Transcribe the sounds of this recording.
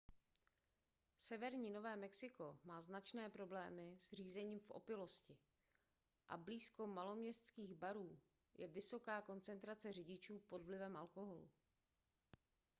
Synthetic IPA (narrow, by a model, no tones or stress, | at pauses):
sɛvɛɾɲiːno̞vɛːmɛksɪko̞maːznat͡ʃnɛːpɾo̞blɛːmɪzr̝iːzɛɲiːmfʔo̞̰pɪlo̞scɪ | ʔa̰bliːsko̞malo̞mɲɛst̪t͡skiːɣbaɾuː | jʔɛvɪso̞kaːko̞nt͡sɛnt̪ɾat͡sɛr̝ɪɟɪt͡ʃuːpo̞dvlɪvɛmʔalko̞ɦo̞lṵ